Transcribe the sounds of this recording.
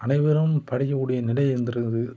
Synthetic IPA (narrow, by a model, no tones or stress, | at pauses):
ʔɐnɐɪʋɯɾɐmpɐɽɪjɐɯɽɐjɐnɪlɐɪɛnd̪ɪɾɯnðɯ